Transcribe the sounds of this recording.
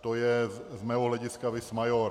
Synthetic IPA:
t̪ojɛzmɛːɦɔɦlɛɟɪskavɪsmajoɾ

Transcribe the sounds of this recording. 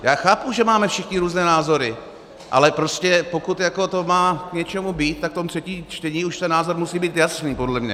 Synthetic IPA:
jaːxaːpuʒɛmaːmɛfʃɪxɲɪɾuːznɛːnaːzo̞ɾɪ | ʔa̰lɛpɾoscɛpo̞kut̪jako̞t̪o̞maːkɲɛt͡ʃɛmubiːt̪̚t̪ːak̚t̪omt̪r̥ɛciːmt͡ʃt̪ɛɲiːuʃt̪ɛnːaːzo̞ɾmusiːbiːt̪jasniːpo̞dlɛmɲɛ̰

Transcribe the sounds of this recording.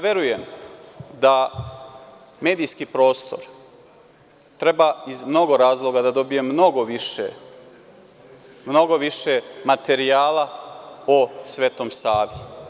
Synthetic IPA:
ʋje̞ɾujem | d̪a | me̞ːd̪ijskipɾo̞ːst̪o̰ɾ | t̪ɾebaizmno̞ɡo̞ɾaːzlˠo̞ɡad̪ad̪o̞bije̞mno̞ɡoʋiʃḛ | mno̞ɡo̞ʋiʃe̞mat̪e̞ɾiaːlaosʋe̞ːt̪o̞ːmsaːʋi

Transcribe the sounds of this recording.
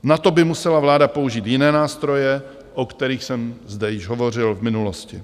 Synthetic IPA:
nat̪obɪmusɛlavlaːdapo̞uʒiːt̪jɪnɛːnaːst̪ɾo̞jɛ | ʔokt̪ɛɾiːxsɛmzdɛjɪʒɦovo̞r̝ɪlvmɪnuloscɪ

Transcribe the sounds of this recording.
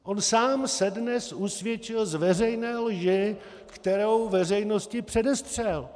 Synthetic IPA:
ʔo̞nsaːmsɛdnɛsʔusvjɛt͡ʃɪlzvɛrɛjnɛːlʒɪ | kt̪ɛɾo̞wvɛr̝ɛjno̞scɪpr̥ɛdɛst̪r̝̥ɛl

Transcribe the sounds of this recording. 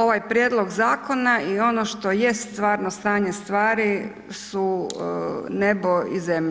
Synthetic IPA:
oʋajpɾjeːd̪lo̞ɡzaːko̞naio̞noʃt̪o̞jest̪t̪ʋaːɾnost̪aːɲe̞st̪ʋaːɾi | su | nebo̞izemʎ

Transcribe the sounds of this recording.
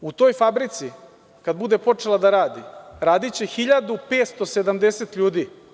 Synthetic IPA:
ut̪o̞ːjfabɾit̪si | kad̪̚bud̪e̞po̞t͡ʂelˠad̪aɾaːd̪ḭɾaːd̪it͡ɕexiʎad̪upeːt̪st̪o̞se̞d̪amd̪eset̪ʎuːd̪i

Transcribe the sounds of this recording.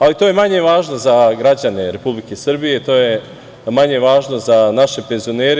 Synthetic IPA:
alit̪oːje̞maɲe̞ʋaːʒno̞zaɡɾad͡ʑane̞ɾe̞publikesr̩bije̞t̪o̞ːje̞ | maɲe̞ʋaːʒno̞zanaʃe̞pe̞nzio̞neːɾe

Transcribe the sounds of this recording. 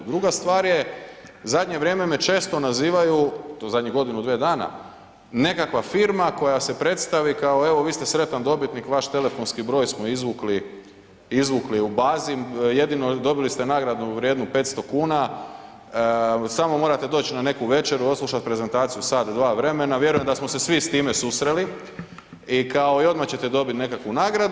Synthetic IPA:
d̪ɾuɡast̪ʋaːɾje̞zad̪ɲe̞ʋɾʲje̞ːme̞me̞t͡ʃe̞ːst̪o̞naziːʋajuzad̪ʲɲiɡo̞d̪inud̪ʋed̪aːna̰ | ne̞kakʋafiɾmako̞jase̞pɾe̞t̪st̪aʋikaoe̞ʋo̞ʋiːst̪e̞sɾe̞t̪and̪o̞bit̪nikʋaʃt̪e̞le̞fo̞nskibɾo̞ːjsmoizʋukli | izʋukliubaːzije̞d̪ino̞d̪o̞bilist̪enaːɡɾad̪nuʋɾjeːd̪nupe̞ːt̪st̪o̞kuːna | samo̞mo̞ːɾat̪e̞d̪o̞ːt͡ɕnane̞kuʋe̞t͡ʃe̞ɾuo̞slˠuʃat̪̚pɾe̞zent̪aːt̪sijusad̪d̪ʋaːʋɾe̞me̞naʋje̞ɾujemd̪asmose̞sʋist̪iːme̞susɾe̞li | ikao̞io̞d̪mat͡ɕe̞t̪e̞d̪o̞bit̪ne̞kakʋunaːɡɾad̪

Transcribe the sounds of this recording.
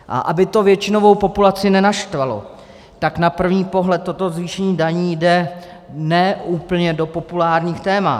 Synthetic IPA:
ʔa̰ʔabɪt̪o̞vjɛt͡ʃɪno̞vo̞wpo̞pulat͡sɪnɛnaʃt̪valo̰ | t̪aknapr̩vɲiːpo̞ɦlɛt̪ːo̞t̪o̞zviːʃɛɲiːdaɲiːjdɛ | nɛːuːpl̩ɲɛdo̞po̞pulaːɾɲiːxt̪ɛːma̰t̪

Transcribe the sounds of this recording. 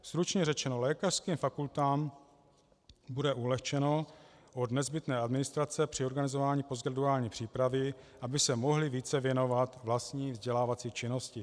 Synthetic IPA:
st̪ɾut͡ʃɲɛrɛt͡ʃɛno̞lɛːkar̥skiːmfakult̪aːm | budɛʔulɛxt͡ʃɛnoʔod̪nɛzbɪt̪nɛːadmɪnɪst̪ɾat͡sɛpr̝̥ɪo̞ɾɡanɪzovaːɲiːpozɡɾaduaːlɲiːpr̝̥iːpɾavɪʔabɪsɛmo̞ɦlɪviːt͡sɛvjɛno̞vat̪vlast̪ɲiːvzɟɛlaːvat͡siːt͡ʃɪno̞scɪ

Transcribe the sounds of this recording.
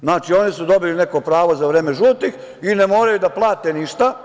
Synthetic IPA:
znaːt͡ʃio̞nisud̪o̞biline̞ko̞pɾaːʋo̞zaʋɾeːme̞ʒuːt̪ix | ine̞mo̞ːɾajud̪aplˠaːt̪eniʃt̪a

